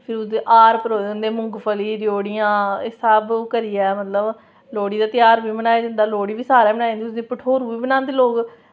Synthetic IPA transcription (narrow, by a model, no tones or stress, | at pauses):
pʰɪɾʊsd̪eːʔaːɾpəɾoːdə̃ːnd̪eːmʊ̃ŋɡpʰəliːɾɪjoːɽɪjãːɪsabkəɾiːɛːmət̪ləb | loːɽiːd̪aːt̪ɪjaːɾbiːmənaːjeːd̪ɪnd̪aːloːɽiːʋiːsaːɾɛːbənaːjːnd̪iʊsd̪iːpəʈʰoːɾuːʋiːbənãːnd̪eːloːɡ